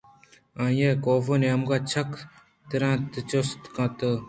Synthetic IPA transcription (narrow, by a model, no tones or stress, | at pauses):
ãːjekoːfoneɐmɡaːt͡ɕʰɐk | t̪əɾãːt̪t͡ʃost̪kãːt̪ə